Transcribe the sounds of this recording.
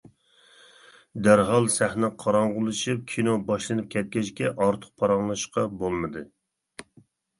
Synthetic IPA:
d̪æɾɦɑlˠsæhnɛqʰɑɾɑɴʁʊlˠɨʃɨp̚kʲʰinobɑʃlˠɨnɨp̚kʲʰɛt̪̚kʲɛt͡ʃkʲɛʔɑɾt̪ʰə̥q̚pʰɑɾɑŋlˠɑʃqɑbolˠmɨd̪ɨ

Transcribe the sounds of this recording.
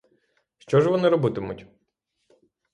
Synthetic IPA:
ʃt͡ʃɔʒʋɔnɪɾɔbɪt̪ɪmʊtʲ

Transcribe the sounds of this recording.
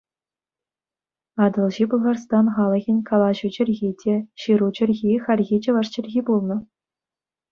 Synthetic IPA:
ɑd̪ɤ̆lˠʑibulˠʁɑrst̪ɑnχɑlˠɤ̆ɣʲɘ̆nʲkʰɑlˠɑʑud͡ʑɘ̆rʲɣʲidʲeɕiɾut͡ɕɘ̆rʲɣʲixʲɑrʲɣʲit͡ɕɤ̆ʋɑʂt͡ɕɘ̆rʲɣʲibulˠnɤ̆

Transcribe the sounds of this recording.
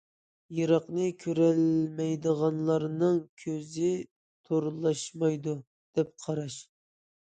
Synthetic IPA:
jɑɾɑqnɨkʲʰøɾɛlmɛjd̪əʁɑnlˠɑɾnɨŋkʲʰøzɪ | t̪ʰoɾlˠɑʃmɑjd̪u | d̪̥ɛp̚qʰɑɾɑʃ

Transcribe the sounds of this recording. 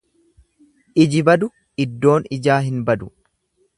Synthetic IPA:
ʔɪd͡ʒɪbɐd̪ʊ | ɪd̪ːo̞ːnɪd͡ʒaːɦɪnbɐd̪ʊ

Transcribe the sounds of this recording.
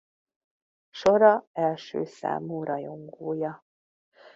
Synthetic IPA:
ʃoɾɒɛlʃø̰ːsa̰ːmuːɾɒjoŋɡoːjɒ

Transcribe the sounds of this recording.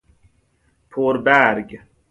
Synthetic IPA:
pʰoːɾbæɾɡ

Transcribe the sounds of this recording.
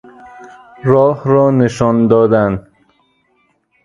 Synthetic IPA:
ɾɒːhɾɒːneʃɒːnd̪ɒːd̪ænd̪

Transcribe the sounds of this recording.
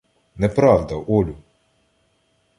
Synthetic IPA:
nɛpɾɑwd̪ɐʔɔlʲʊ

